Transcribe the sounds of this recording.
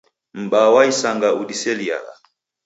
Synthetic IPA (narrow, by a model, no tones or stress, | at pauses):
m̩ɓawaisaŋɡaʔudisɛlia̰la̰